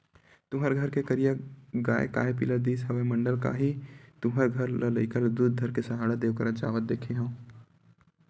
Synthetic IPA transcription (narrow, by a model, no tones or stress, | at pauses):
t̪ʊɦəɾɡʱɐɾkekɐɾijaɡaːḛka̰ːepḭlad̪iːsɦɐʋemɐ̃ɳɖəlka̰ɦit̪ʊɦəɾɡʱɐɾlələikəld̪uːd̪̚d̪ʱəɾkesɐɦaːɽad̪eːʋkəɾad͡ʒaːʋət̪̚d̪eːkʰeɦõː